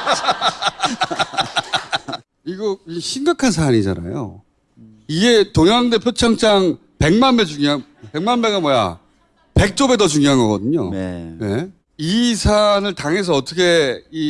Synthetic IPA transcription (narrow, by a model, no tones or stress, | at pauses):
iɡʌkɕʰimɡakʰans̬ʰaːɲid͡ʑa̰na̰jo̰ | iɡe̞toŋaŋdepʰjot͡ɕʰʌŋt͡ɕ͈ʰaŋ | pe̞ŋmanme̞d͡ʑuŋjoɦa | pe̞ŋmanme̞ɡamwʌja̰ | pe̞k̚t͡ɕ͈obe̞dʌt͡ɕuŋjoɦanɡʌɡʌdɯɲo̰ne̞ | isʰanɯɭtaŋe̞s̬ʰʌʌt͈ʰʌkʰe̞i